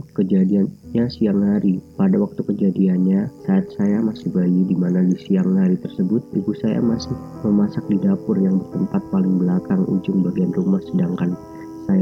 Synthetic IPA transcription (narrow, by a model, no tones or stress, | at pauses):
kəd͡ʒadiaɲasiaŋhaɾipadawak̚t̪ukəd͡ʒadianɲasaːt̪̚sajamasɪhbaidimanadisiaŋhaɾit̪ərsəbʊt̪̚ibusaja̰masɪhməmasak̚didapʊrjaŋbərt̪əmpat̪̚palɪŋbəlakaŋʔṵd͡ʒʊŋbaɡianrumahsədaŋkan | saj